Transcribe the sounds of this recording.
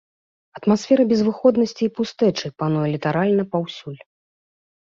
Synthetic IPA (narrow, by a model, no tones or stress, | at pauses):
ɐt̪masfʲɛɾɐbʲɛzvɨxɔd̪nɐsʲt͡sʲiːpust̪ɛt͡ʂɨpanujɛlʲit̪aɾalʲnɐpawsʲulʲ